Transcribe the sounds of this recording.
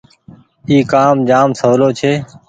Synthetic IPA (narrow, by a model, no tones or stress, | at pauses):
iːkaːmd͡ʒaːmsəʋloːt͡ʃʰeː